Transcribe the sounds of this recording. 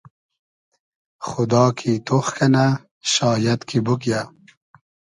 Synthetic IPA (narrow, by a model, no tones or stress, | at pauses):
xʊd̪ɑːkʰit̪oxkɐna | ɕɑːjɐt̪kʰibuk̬ja